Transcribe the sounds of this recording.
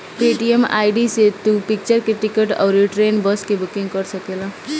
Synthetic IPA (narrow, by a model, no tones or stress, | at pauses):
peʈiema̰jɖiset̪upik̚t͡ʃəɾkeʈikeʈa̰ʊɾiʈɾenbʌskebukiŋɡkʌɾsəkelʌ